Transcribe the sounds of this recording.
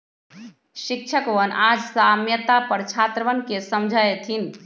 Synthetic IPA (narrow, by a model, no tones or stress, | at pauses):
ʃik̚t͡ʃʰəkʋənʔad͡ʒsamjət̪apəɾt͡ʃʰat̪ɾəʋənkesəmd͡ʒʱajet̪ʰin